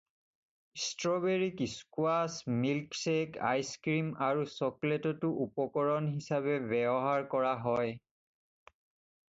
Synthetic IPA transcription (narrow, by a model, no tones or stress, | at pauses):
stɹɔbeɹikiskwasmilkseka̰jskɹimaɹusɔkletɔtʊʔupɔkɔɹɔnɦisaβɛbɛbɔɦaɹkɔɹaɦɔj